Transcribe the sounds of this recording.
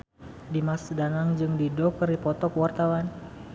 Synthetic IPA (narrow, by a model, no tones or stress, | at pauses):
dimasdanaŋd͡ʒɨŋdidɔkəɾipɔt̪ɔkwart̪awan